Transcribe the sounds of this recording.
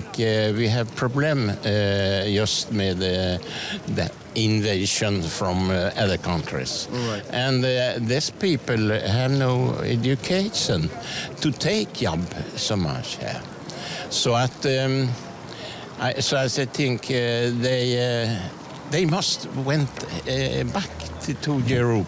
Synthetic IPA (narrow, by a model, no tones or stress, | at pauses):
ŋkwiævpʰɹ̥ɔblɛ̃m | jʌst̪̚mɪð | ð | ɪ̃nveɪʃə̃nfɹɔ̃mʌðəkʰʌ̃ntʰɹɪ̰sʔɨ̃nðɪspiːpəl̩hædnoʊɛ̰d͡ʒʊkʰeɪʃə̃nt̪ʰɨt̪ʰeɪkʰjɑ̰bsoʊmʌ̰t͡ʃhə̰ | soʊət̪ | ʔaɪsoʊæsaɪθɪ̃ŋkʰðeɪ | ðeɪmʌstwɛ̃nt̪ | bækt̪ʰɨt̪ʰujɪɹo